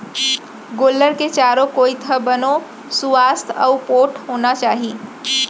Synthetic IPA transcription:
ɡoːlːəɾket͡ʃaːɾokoːit̪ʰəbəno | suʋast̪ʰəʊpoːʈʰɦoːnat͡ʃaːɦi

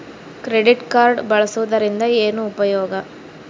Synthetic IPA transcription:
kɾeɖiʈkaːɾɖbɐɭɐsuʋud̪ɐɾind̪ɐeːnuːpɐjɔːɡɐ

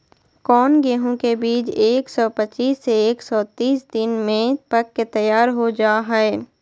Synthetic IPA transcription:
kɔːnɡeːɦõkebiːd͡ʒeːksɔːpət͡ʃiːsːeeːksɔːt̪iːsd̪ɪnmẽpɐkːet̪ɐjaːɾɦod͡ʒaːɦɛeː

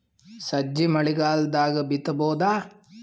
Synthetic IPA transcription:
sɐd͡ʒːimɐɭiɡaːld̪aːɡɐbit̪ɐbɔːd̪aː

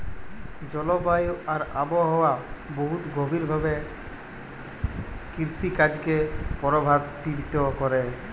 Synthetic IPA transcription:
d͡ʑɔlobajoaɾa̰boɦɔwaboɦut̪ɡobʱiɾbʱabe | kiɾsikad͡ʑkepɔɾobʱad̪bibit̪okɔɾe

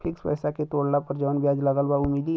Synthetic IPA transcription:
pʰɪkspəːsaket̪oːɽnapɐɾd͡ʒəʋnbjaːd͡ʒləɡəlbaʊmiːd̪i

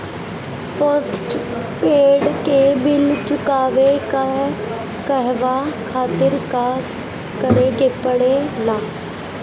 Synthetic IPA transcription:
posʈ | peːɽkebɪlt͡ʃʊkaːʋeka | kəɦʋakʰaːt̪ɪɾka | kəɾeɡepəɽelaː

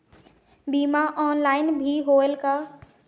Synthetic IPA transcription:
bimaʔɔːnlaːɪnbʱiɦoelka

